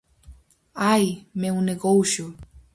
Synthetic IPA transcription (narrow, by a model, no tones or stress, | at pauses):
ajmewneɣowʃu